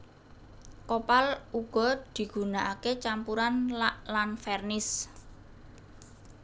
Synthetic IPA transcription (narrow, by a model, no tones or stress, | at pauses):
kopaluɡ̥ɔ̤d̪̥i̤ɡ̥ṳnaʔaket͡ʃampuɾanlalanfɛrnɪs